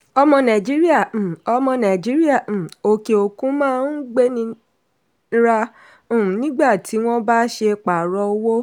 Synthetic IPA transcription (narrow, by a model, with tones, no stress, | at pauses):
ɔ˧mɔ̃˧nã˨d͡ʒi˦ɾi˦ã˦˨ɔ˧mɔ̃˧nã˨d͡ʒi˨˦ɾi˦a˦˨o˧ke˨o˨kũ˦mãː˦n̩˦ɡ͡be˦nĩ˧˦ | ɾã˧˨ | nĩ˦ɡ͡ba˦˨ti˨˦w̃ɔ̃˦ba˦ʃe˧k͡pa˨ɾɔ˧˦wo˦